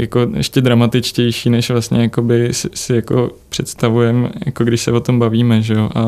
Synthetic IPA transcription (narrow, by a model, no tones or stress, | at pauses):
jako̞ɛ̰ʃcɛd̪ɾamat̪ɪt͡ʃcɛjʃiːnɛʃvlast̪ɲɛjako̞bɪsɪsɪjako̞̰pr̝̥ɛt̪st̪avujɛmja̰ko̞ɡdɪʃsɛvo̞t̪o̞mbaviːmɛʒɛjoʔa